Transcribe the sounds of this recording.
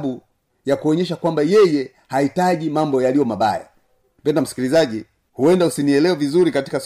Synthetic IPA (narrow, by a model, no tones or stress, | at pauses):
ɓu | jakuɔɲɛʃ̬akwambajɛjɛ | haitaʄimambɔjalijɔmaɓa̰ja̰ | pɛndam̩si̥kilizaʄi | huɛndausiniɛlɛwɛvizuɾikati̥ka